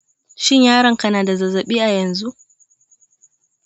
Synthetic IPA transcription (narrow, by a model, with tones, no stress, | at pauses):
ʃɪ˦ɲjaː˦ɾɐ˨ŋkɐ˦naː˨da˨zɐ˨zɐ˨ɓiː˦ʔa˨jɐ˨nzu˦ʔ